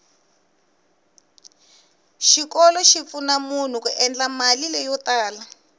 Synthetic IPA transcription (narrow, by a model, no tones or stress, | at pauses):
ʃikɔlɔʃifunamun̤ukuʔɛnd͡ɮamalilɛjɔtaːla